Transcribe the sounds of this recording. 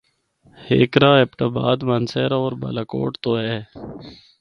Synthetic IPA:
heːkɾaːepʈaːba̰ːd̪manseːɾoːɾba̰ːlaːko̰ːʈt̪oːɦɛː

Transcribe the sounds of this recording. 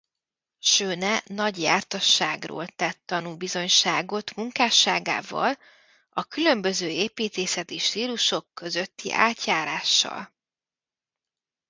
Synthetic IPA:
ʃøːnɛnɒɟjaːrt̪ɒʃːaːɡro̰ːlt̪ɛt̪ːɒnuːbizo̞ɲʃaːɡo̞t̪muŋkaːʃaːɡa̰ːvɒ̰l | ɒkylø̞mbø̞zøːeːpiːt̪eːsɛt̪iʃt̪iːluʃo̞kːø̞zøt̪ːḭʔa̰ːt̪jaːɾaːʃːɒ̰l

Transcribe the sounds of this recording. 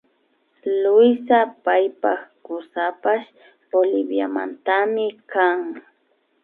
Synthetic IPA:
lʊjsapajpakʊsapaʃ | olɪbja̰ma̰nt̪amɪkaŋ

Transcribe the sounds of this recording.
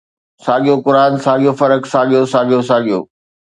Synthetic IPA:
saːɠijokʊɾaːnsaːɠijofɐɾəksaːɠijosaːɠijosaːɠijo̰ː

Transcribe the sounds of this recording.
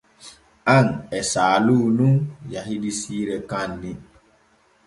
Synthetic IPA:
ʔaŋɛsaːluːnuŋjaɦidisiːɾɛkanːi

